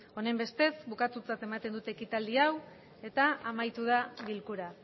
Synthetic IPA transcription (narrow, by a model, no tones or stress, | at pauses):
o̞ne̞mbe̞st̪e̞sβukat̪ut͡sat̪e̞mat̪e̞nd̪ut̪e̞ːkit̪ald̪iaw | e̞t̪aamajt̪uð̞aβilkuɾa